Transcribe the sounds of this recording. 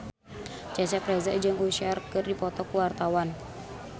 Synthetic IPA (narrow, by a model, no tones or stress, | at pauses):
t͡ʃasapɾɛzad͡ʒaŋuʃarkɨrdipɔt̪ɔkuwart̪awan